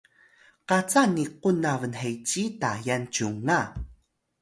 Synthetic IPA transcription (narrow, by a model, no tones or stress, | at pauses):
qat͡saniqunavənħejt͡ɕitajant͡ɕuŋːa